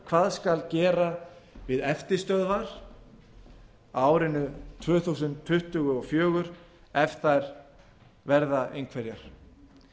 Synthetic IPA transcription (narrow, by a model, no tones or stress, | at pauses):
kʰvaːðskalcɛːɾavɪðɛft̪ɪst̪œðvaɾ̥ | aːwɾɪnʏt̪ʰvœːθusʏnt̪ʰːʏht̪ʏɣʏɔfjœːɣʏɾ | ɛfθajɾ̥ | vɛɾðaejŋkʰvɛɾjaɾ̥